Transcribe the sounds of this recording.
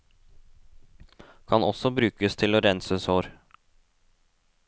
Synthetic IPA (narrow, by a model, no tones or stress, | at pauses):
kʰɑnɔsɔbɾʉːkəst̪ʰɪloːɾɛnsəsoːɾ